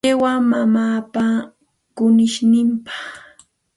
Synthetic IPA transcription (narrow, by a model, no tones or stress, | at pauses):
ewamamaːpa | kʊnɪʃnɪmpɑ̥χ